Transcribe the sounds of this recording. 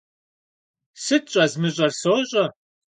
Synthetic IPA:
sɨtɕʼɐzmɨɕʼɐrsoɕʼɐ

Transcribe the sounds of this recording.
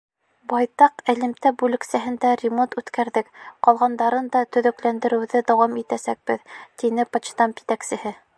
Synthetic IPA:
bɑjt̪ɑqɘ̆lɘ̆mt̪æbʉlɘ̆ksæɦɘnd̪ærʲɪmont̪ʉt̪kæɾðɘkqɑlˠʁɑnd̪ɑɾɤnd̪ɑt̪ɵ̆ðɵ̆klænd̪ɘ̆ɾɘ̆wðɘd̪ɑwɑmit̪æsæk̚b̥ɘðt̪inɘpɑt͡ɕt̪ɑmpi̥t̪æksɘ̆hɘ

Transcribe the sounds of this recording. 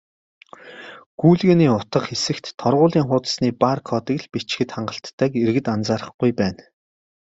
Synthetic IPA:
ɡ̥uːɮɣĕːniːʊt̪ə̆χxesɘ̆kt̪ʰːɔrʁʊːɮiːŋχʊːt̪ə̥̆sniːparkʰɔːt̪ə̆kɮpit͡ɕxɘ̆t̪χaɴɢə̆ɬt̪ʰːæːkerɣɘ̆t̪ant͡saːɾə̆χɡ̥ujpæːn

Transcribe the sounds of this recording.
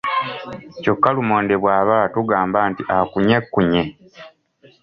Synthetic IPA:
co̞kːalumoːnde̞βwaːβatuɡaːmbaːntiʔakuɲe̞kːuɲe

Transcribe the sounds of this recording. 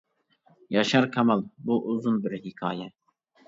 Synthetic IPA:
jɑʃaɾkʰamalbuːʔuzunbɨɾhikʰɑ̰ːjɛ

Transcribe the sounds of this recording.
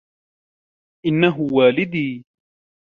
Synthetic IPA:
ʔɪnːaɦʊwaːlɪd̪iː

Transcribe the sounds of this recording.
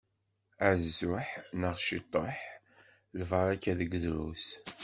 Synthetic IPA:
æɾzʊħnəʁʃit̪ˤːəħ | lvəɾˤækːæðəɡðɾṵs

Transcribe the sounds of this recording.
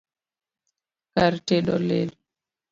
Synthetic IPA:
kaɾtɛɗɔlel

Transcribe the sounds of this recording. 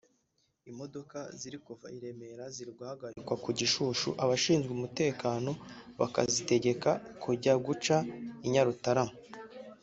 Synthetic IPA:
imo̞do̞kaziɾikuvaiɾe̞me̞ɾaziɾiɾɡwahaɡaɾikwakuɟiʃuːʃṵʔaβaʃiːnzɡeumute̞ːkaːno̞βa̰ka̰zite̞ɟe̞kakuɟaɡut͡ʃaiɲaɾutaɾamo

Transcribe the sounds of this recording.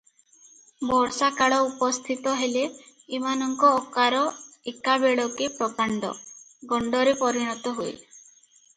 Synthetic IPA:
bɔɾsakaɭɔupɔst̪ʰit̪ɔɦeleː | manɔŋkɔːkaɾɔekabeɭɔkepɾɔkaɳɖɔ̰ | ɡɔɳɖɔɾepɔɾiɽ̃ɔt̪ɔɦojl

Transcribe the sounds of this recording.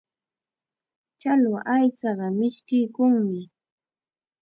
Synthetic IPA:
t͡ʃalwaʔajt͡sɑɢɑmɪʃkɪjkʊŋmɪ

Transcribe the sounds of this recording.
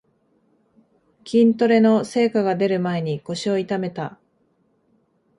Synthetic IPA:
kʲĩnt̪o̞ɾe̞no̞se̞ːkaɡad̪e̞ɾɯ̟mae̞ɲ̟iko̞ɕio̞it̪ame̞t̪a

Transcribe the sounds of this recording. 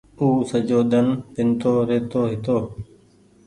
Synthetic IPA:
uːsəd͡ʒoːd̪ənpɪnt̪oːɾeːt̪oːɦɪt̪oː

